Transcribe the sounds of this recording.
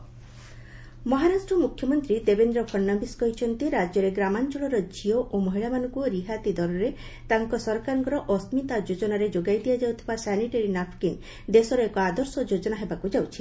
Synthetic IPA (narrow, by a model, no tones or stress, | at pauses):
mɔɦaɾasʈɾɔmukʰjɔmɔnt̪ɾid̪ebend̪ɾɔpʰɔɾnːabiskɔɦit͡ʃʰɔnt̪iɾad͡ʒjɔɾeɡɾamant͡ʃɔɭɔɾɔd͡ʒioʔomɔɦiɭamanɔ̃ŋkuɾiɦat̪id̪ɔɾɔɾe | t̪aŋkɔsɔɾkaɾɔŋkɔɾɔʔɔst̪mit̪ad͡ʒod͡ʒɔnaɾed͡ʒoɡajd̪ijad͡ʒawt̪ʰibasɛniʈaɾinapʰkin | d̪esɔɾɔekɔad̪ɔɾsɔd͡ʒod͡ʒɔnaɦebakud͡ʒawt͡ʃʰi̥